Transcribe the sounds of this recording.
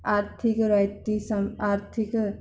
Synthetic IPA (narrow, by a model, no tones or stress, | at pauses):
aːɾt̪ʰikɾajt̪isəmaɾt̪ʰik